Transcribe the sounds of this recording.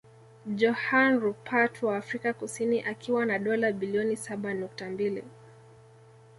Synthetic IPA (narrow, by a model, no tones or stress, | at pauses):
d͡ʒɔhanɾupʰatwaːfɾikakusiniʔakiwanaɗɔlaɓiliɔnisaɓanuk̚tambilḭ